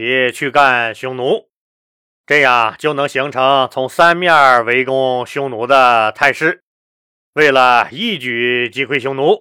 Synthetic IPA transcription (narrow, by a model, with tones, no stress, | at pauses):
ɛ˧˥t͡ɕʰy˥˧ka˥˩nɕʊ˧˥ŋnu˧˥ | ʈ͡ʂɤ˥˧ja˥˩ŋt͡ɕjo˥˩ʊnɤ˧˥ŋɕi˧˥ŋʈ͡ʂʰɤ˧˥ŋt͡sʰʊ˧˥ŋsa˥nmja˥˩we˧˥ɪkʊ˥ŋɕjʊ˧˥ŋnu˧˥d̪ə˧t̪ʰa˥˧ɪʂɻ̩˥˩ | we˥˩ɪlə˩i˥˩t͡ɕy˨˩t͡ɕi˧˥kʰwe˥ɪɕjʊ˧˥ŋnu˧˥